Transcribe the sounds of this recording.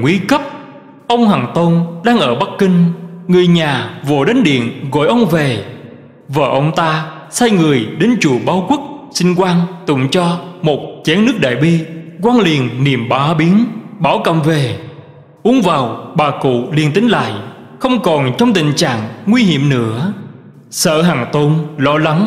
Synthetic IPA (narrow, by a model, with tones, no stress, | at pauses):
ŋwi˨˦kə˦˥p̚ | ʔə˧wŋ͡mhaː˨˩ŋt̪o˧nɗaː˧ŋʔəː˧˩ɓa˦˥k̚kï˧ŋ̟ŋɨ˨˩əjɲaː˨˩vo̰˧˩ɗe˨˦nɗḭ˧˨ənɣɔ̰˧˨jʔə˧wŋ͡mve˨˩ | vəː˨˩ʔə˧wŋ͡mt̪aː˧ | saː˧jŋɨ˨˩əjɗe˨˦nt͡ɕu˧˩ɓaː˨˦wkwi˦˥t̚sï˧ŋ̟kwaː˧nt̪ʊ̰˧˩ŋ͡mt͡ɕɔ˧mo˨˩t̚t͡ɕɛ˨˦nːɨ˦˥ək̚ɗa̰ː˧˨jɓi˧kwaː˧nli˨˩ənni˨˩əmɓaː˨˦ɓi˨˦ənɓaː˧˩wkə̰˧˨mve˨˩ | ʔu˨˦əŋvaː˨˩wɓaː˨˩kṵ˧˨li˧ənt̪ï˨˦ŋ̟la̰ː˧˨j | xə˧wŋ͡mkɔ˨˩nt͡ɕɔ˧wŋ͡mt̪ï˧˨ŋ̟t͡ɕa̰ː˧˨ŋŋwi˧ɦḭ˧˨əmnɨ̰˧˥ə | sə̰ː˧˨ɦa˨˩ŋt̪o˧nlɔ˧la˨˦ŋ